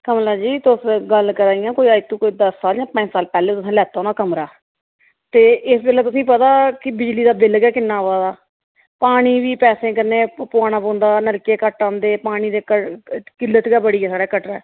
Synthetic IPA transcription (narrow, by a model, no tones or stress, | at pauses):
kəmlaːd͡ʒiːt̪ʊsɡəlkəɾaːijãːkoːiaːit̪ːũːkoːiːd̪əsːaːld͡ʒãːpə̃ɲd͡ʒsaːlpɛːleːt̪ʊsãːlɛːt̪aːɦoːnaːkəmɾaː | t̪eːʔɪsbɪlɛːt̪ʊsĩːpət̪aːkɪbɪd͡ʒliːd̪aːbɪlɡɛːkɪnːãːʋaːd̪aː | paːɽ̃iːʋiːpɛːsẽːkəɾneːpʊaːnãːpõːnd̪aːnəɾkeːkəʈːãːnd̪eːpaːɽ̃iːd̪eːkəkɪlːət̪ɡaːbəɽiːɛːsaːɽaːkəʈɾaː